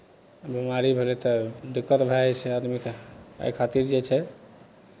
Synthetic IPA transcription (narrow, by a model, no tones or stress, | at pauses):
bimaɾibʱelɛt̪ɔd̪ukːət̪bʱajt͡ʃʰɛad̪mika̰kʰat̪iɾd͡ʒet͡ʃʰɛ